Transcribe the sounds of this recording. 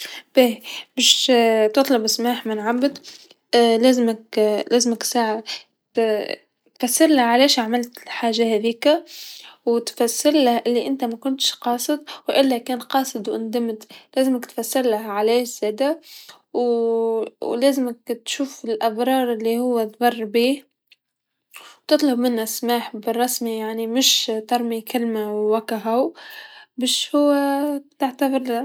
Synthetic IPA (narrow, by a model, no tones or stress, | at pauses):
b̥eːmɪʃt̪ɨt̪ˤlɑbɪsmaːħmɪnʕabːɪd̪ | leːzɪmakleːzɪmɪksaʕa | t̪ | t̪fasːɪɾlaʕaleːʃaʕmɪlt̪lħaːʒahæːðiːkawt̪fasːɪɾlahʔɪlːiʔɪnt̪amakʊnt̪ʃqɑːsˤɨd̪̚wʔɪlːakeːnqɑːsˤɨd̪ˤwʔʊ̰nd̪ɪmt̪læːzɪmɪkt̪fasːɪɾlahʕaleːʃz̥eːd̪a | w | leːzɪmɪkt̪ʃuːfɪlʔabɾˤɑːɾˤɪlːihʊwːat̪ˤbɑrˤːbiːh | wt̪ɨt̪ˤlɑbmɪnhasmaːħbɪrˤːɑsmijaʕnimɪʃt̪ɑɾˤmikɪlmawwakaɦaw | bæʃhʊwːat̪aʕt̪abɪɾl